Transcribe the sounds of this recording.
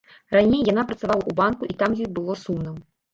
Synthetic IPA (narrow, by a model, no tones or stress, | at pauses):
ranʲejːanapɾɐt̪savalˠɐʔubankuʔit̪amjɔjʲbɨlˠɔsumnɨm